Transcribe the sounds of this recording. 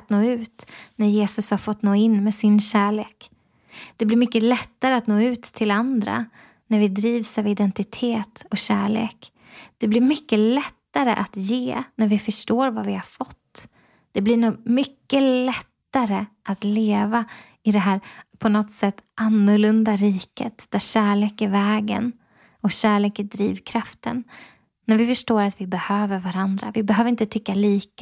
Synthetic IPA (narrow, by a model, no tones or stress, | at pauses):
t̪noːʉ̟ːt̪næɾjeːsɵshaɾfɔt̪ːnoːɪnːmɛsɪnɕæːɭeːk | d̪̥ɛblɪɾmʏkːəlɛt̪ːaɾəat̪noːʉ̟ːt̪ʰːɪland̪ɾa̰ | næɾvɪd̪ɾiːvsavɪd̪ɛnt̪ɪt̪ʰeːt̪ɔɕæ̰ːɭḛːk | d̪̥ɛblɪɾmʏkːəlɛt̪ːaɾə̰ʔat̪jeːnæɾvɪfœʂʈoːɾvavɪhaɾfɔt̪ː | d̪̥ɛblɪɳuːɡmʏkːəlɛt̪ːaɾəʔat̪leːva | ɪd̪ɛɦæːɾpʰɔnɔt̪sɛt̪ːʔanːʊɾɭɵnd̪aɾiːkət̪d̪̥æɾɕæːɭeːkɪvɛːɡə̰n | ɔɕæːɭeːkəd̪ɾiːvkʰɾaft̪ənː | æɾvɪfœʂʈoːɾat̪vɪbɛhøːvəɾvaɾand̪ɾa̰vɪbɛɦøːvɾɪnt̪ət̪ʰʏkːaliːk